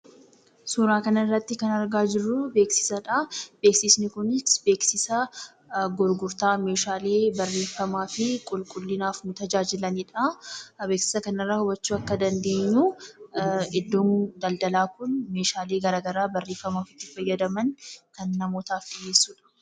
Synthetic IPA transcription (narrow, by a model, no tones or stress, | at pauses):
suːɾaːkɐnɐɪrːɐt̪ːɪkɐnɐɾɡaːd͡ʒɪrːʊbe̞ːksɪ̥sɐᶑab̥e̞ːksɪsnɪkʊnɪsbe̞ːksɪsɐ | ɡɔɾɡʊɾt̪aːmeːʃaːle̞ːbɐrːe̞ːfːɐmaːfɪkʼʊlkʼʊlːɪnaːfnʊt̪ɐd͡ʒaːd͡ʒɪlɐniːᶑɐbe̞ːksɪ̥sɐkɐnɐrːɐhɔbɐt͡ʃːuːɐkːɐd̪ɐnd̪e̞ːɲːu | ɛd̪ːoːnd̪ɐld̪ɐlaːkʊnme̞ːʃaːle̞ːɡɐɾaːɡɐɾaːbɐrːe̞ːfːɐmaːfɪ̥t̪ːɪfɐjːɐd̪ɐmɐnkɐnːɐmoːt̪aːfd̪ɪje̞ːsːuːᶑɐ̥